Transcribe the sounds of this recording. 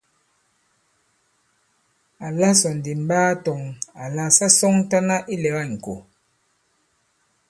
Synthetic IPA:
a˨la˦sɔ˨n˨di˨m̩˦baː˦tɔ˨ŋa˨la˦sa˦sɔ˦ŋ˦ta˦na˦ʔi˦lɛ˨ɣa˦˨ŋ̩˨ko̰˨

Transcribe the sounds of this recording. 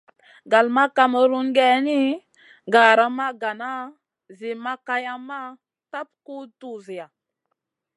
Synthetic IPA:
ɡa˨lma˦ka˦mə˨ɾu˦ŋɡɛ˦ni˦ | ɡa˨ɾa˦ma˦ɡa˨na˦ | zi˨ma˦ka˦ja˦mːa˦ | ta˦p̚ku˦tu˦zi˨ja˨

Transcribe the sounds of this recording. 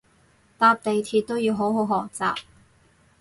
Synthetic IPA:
t̪aː˧p̚t̪e˨jt̪ʰiː˧t̚t̪o˥wjiː˨˧wɦo˨˥wɦo˨˥wɦɔː˨˩k̚t͡sa̰ː˨p̚

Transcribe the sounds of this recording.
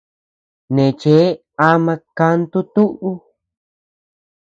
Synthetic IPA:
nẽ˨t͡ʃe˨˦ | a˧mã˧ka˧nt̪u˦t̪u˦ʔu˦

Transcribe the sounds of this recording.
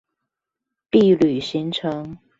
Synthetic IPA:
pi˥˩˨ly˨˩ɕi˧˥ŋʈ͡ʂʰɤ˧˥ŋ

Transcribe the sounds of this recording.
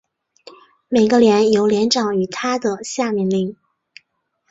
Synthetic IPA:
me˨˩ɪɡə˧ljɛ˧˥njo˧˥ʊljɛ˧˥nʈ͡ʂɑ˨˩ŋy˨˩t̪ʰa˥d̪ə˨ɕja˥˩mi˧˥nli˧˥ŋ

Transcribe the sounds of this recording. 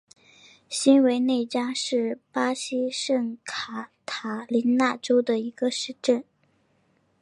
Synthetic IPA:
ɕi˥nwe˧˥ɪne˥˩ɪt͡ɕja˥ʂɻ̩˥˩pa˥ɕi˥ʂə˥˩ŋkʰa˨˩t̪ʰa˨˩li˧˥nna˥˩ʈ͡ʂo˥ʊd̪ə˨i˧˥ɡ̥ə˧ʂɻ̩˥˧ʈ͡ʂə˥˩n

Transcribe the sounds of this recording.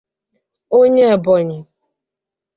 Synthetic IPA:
o˦ɲe˦e˨bɔ˨ɲɪ˨

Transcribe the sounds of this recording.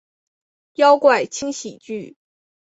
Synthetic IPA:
jɑ˥ʊkwa˥˩ɪt͡ɕʰi˥ŋɕi˨˩t͡ɕy˥˩

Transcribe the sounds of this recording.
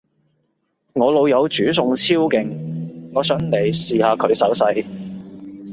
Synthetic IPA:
ŋɔː˨˧lo˨˧wjɐ˨˧wt͡ʃyː˨˥sʊ˨ŋt͡sʰiː˥wkɪ˨˩ŋŋɔː˨˧sœː˨˥ŋne˨˩jsiː˨˧haː˨˧kʰɵ˨˧ɥsɐ˨˥wsɐ˧j

